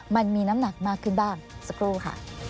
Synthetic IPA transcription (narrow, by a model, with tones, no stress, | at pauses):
ma˧nmiː˧na˦˥mna˨˩k̚maː˥˩kʰːɯ˥˩nbaː˥˩ŋsa˨˧kʰɾuː˥˩kʰa̰˥˩